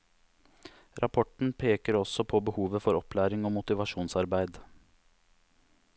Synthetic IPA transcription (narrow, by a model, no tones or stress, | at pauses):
ɾʔɑpʰɔʈɳ̩pʰeːkəɾɔsɔpʰɔbəhuːʋəfɔɾɔplæːɾɪŋoːmʊt̪ɪʋɑʂuːnsɑɾbæɪd̪